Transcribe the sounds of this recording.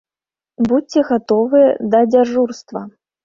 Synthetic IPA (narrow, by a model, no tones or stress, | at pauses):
buɛɣat̪ɔvɨjɛd̪ɐd͡zʲaʐurst̪vɐ